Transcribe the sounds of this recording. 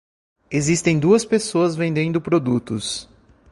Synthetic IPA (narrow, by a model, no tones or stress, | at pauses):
ezist̪ẽj̃d̪uɐspesoɐzvẽnd̪ẽnd̪ʊpɾod̪ut̪ʊs